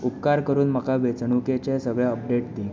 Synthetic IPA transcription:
upkaɾkəɾuːnməkaʋet͡sɳuket͡ɕesəɡɭjɛəp̚ɖeʈd̪i

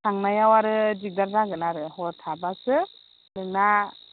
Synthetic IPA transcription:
tʰaŋnajawaɾɯzik̚daɾzaɡɯnaɾɯhɔɾtʰabasɯ | nɯŋna

